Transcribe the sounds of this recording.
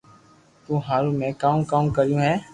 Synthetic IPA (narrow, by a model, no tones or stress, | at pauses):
t̪ũːɦaːɾũːmẽːkaːũːkaːũːkəɾɪjũːɦɛː